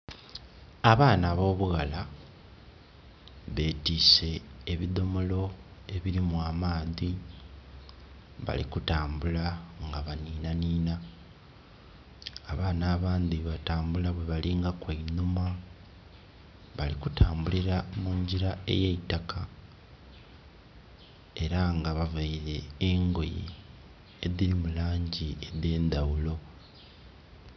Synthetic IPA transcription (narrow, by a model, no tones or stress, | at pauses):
aβaːnaβo̞ːβuɣala | βe̞ːtiːse̞ːβiðo̞molo̞e̞βiɾimwaːmaːði | βa̰lḭkutaːmbulaŋɡaβaniːnaniːna | βaːnaːβaːnd̪iβataːmbulaβweβaliːŋɡakweinuma | βalikutʰaːmbuliɾamuːɲɟiɾae̞̰jeitakʰa | e̞ɾaŋɡaβaveiɾe̞ːŋɡo̞jḭ | eðiɾimulaːɲɟie̞ðe̞ːnd̪awulo̞